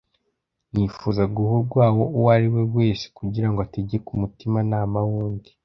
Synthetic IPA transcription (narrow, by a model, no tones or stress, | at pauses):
nifuːzaɡuhuɾɡwaːwo̞uwaɾiwe̞we̞ːse̥kuɟiɾaŋɡoateɟekumutimanaːmawuːndi̥